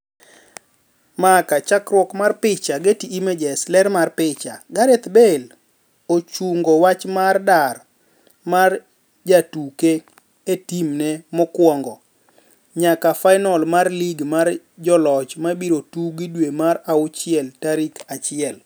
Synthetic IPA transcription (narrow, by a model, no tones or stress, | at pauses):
makat͡ʃakɾwɔkmarpɪt͡ʃaɡetiːmed͡ʒɛslɛɾmarpɪt͡ʃa̰ɡaɾet̪bel | ot͡ʃuŋɡowat͡ʃmardar | mar | d͡ʒatuke | etimnɛmɔkwɔŋɡɔ | ɲakafaɪnɔlmarliɡmar | d͡ʒɔlɔt͡ʃmabiɾotuɡidwemaɾaʊt͡ʃɪɛltaɾikat͡ʃɪɛl